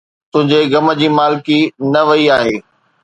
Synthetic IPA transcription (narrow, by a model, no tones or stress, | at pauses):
t̪ʊ̃ɦɪ̃ɲd͡ʑeɡɐmə̆d͡ʑiːmaːlɪkinɐʋɐiaːɦeː